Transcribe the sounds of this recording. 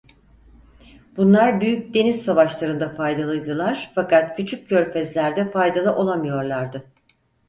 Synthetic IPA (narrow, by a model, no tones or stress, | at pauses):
bunlˠaɾbyjyc̚d̪e̞nizsavaʃlˠaɾɯnd̪afajd̪alˠɯjd̪ɯlˠaɾ̥fakat̪̚cʰyt͡ʃʰycːʰø̞ɾfɛzlʲæɾd̪ɛfajd̪alˠɯʔo̞lˠamɯjo̞ɾlˠaɾd̪ɯ